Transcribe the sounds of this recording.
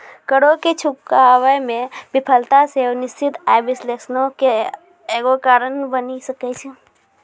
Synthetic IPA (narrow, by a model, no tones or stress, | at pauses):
kəɽoket͡ʃʰukawəjmẽbipʰəlt̪asewnɪst͡ʃʰit̪ajbɪslesnõke | eɡokaːɾənbənisəkɛt͡ʃʰɛ